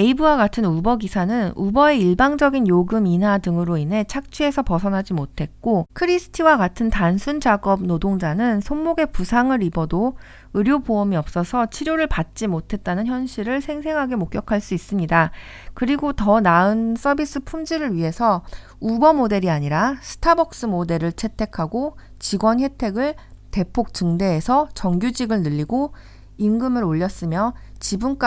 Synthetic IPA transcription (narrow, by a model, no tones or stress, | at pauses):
e̞ibɯwaɡatʰɯnubʌɡisʰanɯnubʌe̞iɭbaŋd͡ʑʌɡinjoɡɯminɦadɯŋɯɾoinɦe̞t͡ɕʰak̚t͡ɕʰie̞sʰʌpʌsʰʌnɦad͡ʑimotʰe̞t̚k͈okʰɯɾisʰɯ̥tʰiwaɡatʰɯntansʰund͡ʑaɡʌb̚nodoŋd͡ʑanɯnsʰonmoɡe̞pusʰaŋɯɾibʌdo | ɯɾjoboʌmiʌp̚s͈ʌsʰʌt͡ɕʰiɾjoɾɯɭpat̚t͡ɕ͈imotʰe̞t̚t͈anɯnçjʌnɕʰiɾɯɭsʰe̞ŋsʰe̞ŋɦaɡe̞mok͈̚jʌkʰaɭs͈uis͈ɯmɲida | kɯɾiɡotʌnaɯns͈ʌbis͈ɯpʰumd͡ʑiɾɯɭɥiɦe̞sʰʌ | ubʌmode̞ɾiaɲiɾasʰɯ̥tʰabʌk̚s͈ɯmode̞ɾɯɭt͡ɕʰe̞tʰe̞kʰaɡo | t͡ɕiɡwʌnɸwe̞tʰe̞ɡɯɭ | te̞pʰok̚t͡ɕɯŋde̞ːsʰʌt͡ɕʌŋɡjud͡ʑiɡɯɭnɯʎːiɡo | inɡɯmɯɾoʎːʌs͈ɯmjʌt͡ɕibunk͈a